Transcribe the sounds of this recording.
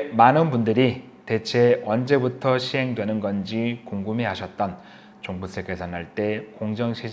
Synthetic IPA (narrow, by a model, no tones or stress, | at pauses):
manɯnbundɯɾi | te̞t͡ɕʰe̞wʌnd͡ʑe̞butʰʌɕʰiɦe̞ŋdwe̞nɯnɡʌnd͡ʑikoŋɡumiɦaɕʰʌt̚t͈ʌn | t͡ɕoŋbus͈ekʰesʰʌnɦaɭt͈e̞koŋd͡ʑʌŋɕʰi